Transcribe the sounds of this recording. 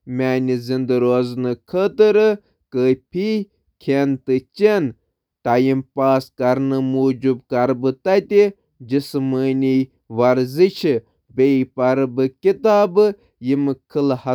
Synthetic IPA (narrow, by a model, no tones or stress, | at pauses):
mʲaːnʲizind̪ɨɾoznɨkʰət̪ɨɾɨ | kəːpʰi | kʲʰent̪ɨt͡ʃen | ʈajimpaːskɐɾnɨmuːd͡ʒubkɐɾbɨt̪ɐt̪ʲi | d͡ʒisɨməːnʲi | ʋɐɾziʃi | bejpɐɾbɨkʲit̪aːbɨ | jimɨkʰɨlhɐ